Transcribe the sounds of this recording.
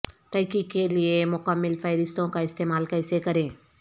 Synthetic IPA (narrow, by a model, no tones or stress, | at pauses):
t̪ɐɦkikːeliemʊkəmːɪlfʰəɪɾɪst̪õkaɪst̪eːmaːlkɐɪsekɐɾẽː